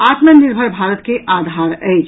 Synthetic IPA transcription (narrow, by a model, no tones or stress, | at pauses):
aːt̪məniɾbʱəɾbʱaːɾət̪keʔaːd̪ʱaːɾɛjt͡ʃ